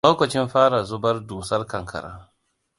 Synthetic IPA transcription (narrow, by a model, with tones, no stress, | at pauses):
oː˦kɐ˨t͡ʃɪ˦mɸaː˦ɽa˨zʊ˦bɐ˦rduː˨sɐ˦rkɐ˨ŋkʰɐ̰˨ɾa̰ː˦